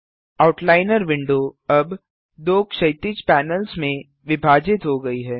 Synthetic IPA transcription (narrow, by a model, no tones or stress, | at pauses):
aʊʈlaːɪnəɾʋɪ̃ɳɖoɐb | d̪oːkʃɐɪt̪it͡ʃpɛːnəlsmẽ | ʋɪbʱaːd͡ʒɪt̪ɦoɡɐiɦɛː